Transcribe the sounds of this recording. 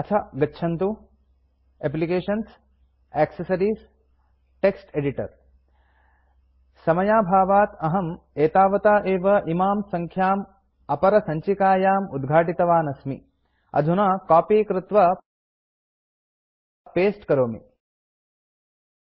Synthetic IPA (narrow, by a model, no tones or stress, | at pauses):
ɐt͡ʃʰɐɡɐtːʃʰɐnt̪u | ep̬likeːʃɐns | eːksɐsɐɾiːs | ʈeksʈeɖiʈɐ̰ɾ | sɐmɐjaːbʱaːʋaːt̪ɐɦɐm | eːt̪aːʋɐt̪aːʔeːʋɐʔimaːmsɐŋkʰjaːm | ɐpɐɾɐsɐɲt͡ʃikaːjaːmud̪ɡʱaːʈit̪ɐʋaːnɐsmḭ | ɐ̰d̪ʱunɐkaːpiːkɾɪt̪ʋɐ | peːsʈkɐɾoːmḭ